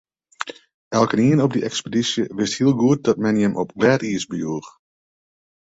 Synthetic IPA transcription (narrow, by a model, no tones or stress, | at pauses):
ʔɛlˠkəniənɔb̚dəʔɛkspedisjəʋɪsthiəlˠɡuət̚dɑt̚mɛnjəmʔɔpɡlɛːtiəsbəjuəx